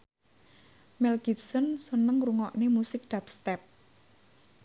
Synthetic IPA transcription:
mɛlɡipsɔnsənəŋruŋɔʔnemusɪk̚d̪̥apst̪ɛp̚

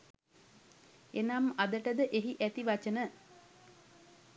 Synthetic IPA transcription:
enamad̪əʈəd̪əʔeɦiʔæt̪iʋat͡ʃənə

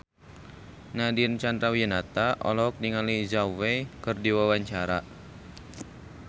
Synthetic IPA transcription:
nadiənt͡ʃand̪ɾawijənat̪aʔɔ̰lɔk̚niŋalizawekərdiwawaɲt͡ʃaɾa

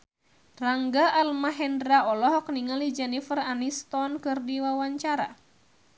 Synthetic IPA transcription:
raŋɡaʔːlmaɦɛndɾaɔlɔɦɔk̚niŋalid͡ʒɛnifəranist̪ɔnkɨrdiwawaɲt͡ʃaɾa̰

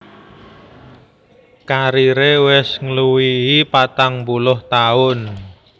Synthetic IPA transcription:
kaɾiɾewɪsŋəluwiipat̪aŋmbulʊht̪aʊn

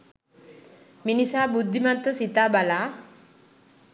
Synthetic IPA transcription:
minisabud̪ʱːimant̪əsit̪abala

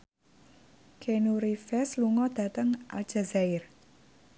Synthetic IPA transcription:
kʰenuɾifɛsluŋɔd̪̥ä̤t̪əŋʔa̰l̥d͡ʒ̥azaɪr

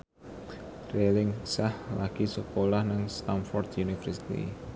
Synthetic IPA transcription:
relɪŋsahlaɡ̥isəkolahnaŋst̪amfɔrd̪junifɛrsi̥t̪ḭ

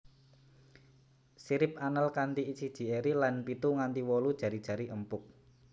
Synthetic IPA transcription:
siɾɪp̚anəlkant̪iːt͡ʃid̥ʒ̥i̤eɾilanpit̪uŋant̪iwɔlud̥ʒ̥a̤ɾid̥ʒ̥ä̤ɾiʔəmpʊk̚

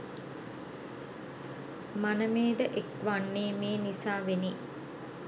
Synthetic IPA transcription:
manəmeːd̪əʔekʋaɳːeːmeːnisaːʋeni

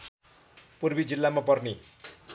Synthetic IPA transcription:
purbid͡zilːamapʌrne

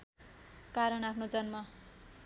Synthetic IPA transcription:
kaɾʌnapʰnod͡zʌnmʌ

